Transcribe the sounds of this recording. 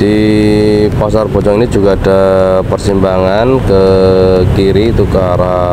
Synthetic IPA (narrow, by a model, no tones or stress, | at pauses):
d̥i | pasarb̥ɔt͡ʃɔŋinid͡ʒuɡaːdapərsimbaŋankəkiɾiːt̪ukaɾa